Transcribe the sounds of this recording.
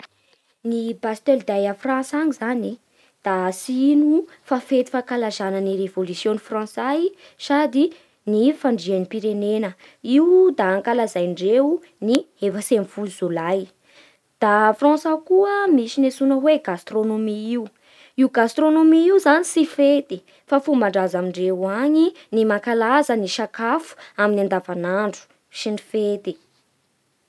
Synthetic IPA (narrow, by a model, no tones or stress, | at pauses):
nibast̪eld̪ajafrãnsaŋizani | d̪̥asinu | fafet̪i̥fakalazanənirevolusjonifrɑ̃saj | sad̪i | nifaɳɖ͡ʐianipiɾenenə | iwd̪aːŋkalazajɳɖ͡ʐeu | ni | efəsemfuzulaj | d̪̥afrɔ̃sakuəmisinesunəweɡast̪ronomiiwu | iuɡast̪ronomiiwzanisifet̪i | fafumbaɳɖ͡ʐazamiɳɖ͡ʐeaɲi | nimakalazəniʃakafu̥aminiand̪avanaɳɖ͡ʐu̥ | sinifet̪i̥